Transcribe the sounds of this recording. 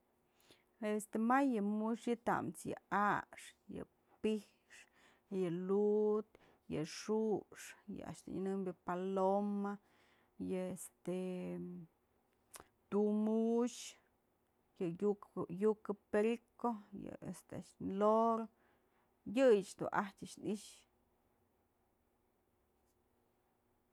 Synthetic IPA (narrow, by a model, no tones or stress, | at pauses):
est̪emajɨmuʂjɨt̪a̰mt͡sjɨ̰aʂjɨ̰ | pih | ʂ | jɨlut̪ | jɨ̰ʂuʂjɨ̰a̰ʔʃd̪̥ṵnɨnɨmbjɨpaloma | jɨest̪e | t̪umuʃ | jɨjukjukɨpeɾikojɨ̰ḛst̪eaʂloɾ | jɨjɨt͡ʃd̪ṵʔahtʲaʔʂniʃ